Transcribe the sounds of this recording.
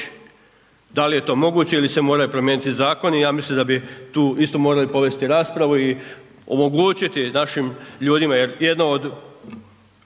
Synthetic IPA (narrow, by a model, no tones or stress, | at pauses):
d̪alije̞t̪o̞ːmo̞ɡuːt͡ɕeilise̞mo̞ːɾajupɾomjeːnit̪izaːko̞nijaːmislimd̪abit̪uːist̪o̞moːɾalipo̞ʋe̞st̪iɾaːspɾaʋui | omo̞ɡuːt͡ɕit̪inaʃimʎuːd̪imaje̞ɾje̞d̪nood̪